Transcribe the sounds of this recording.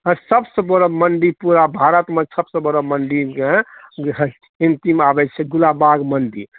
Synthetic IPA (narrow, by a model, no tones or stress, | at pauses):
ɦə̃səbsə̃bəɾəmənɖipuɾabʱaɾət̪mesəbsə̃bəɾəmənɖie | ĩnt̪imabɛt͡ʃʰɛɡulabaɡmənɖḭ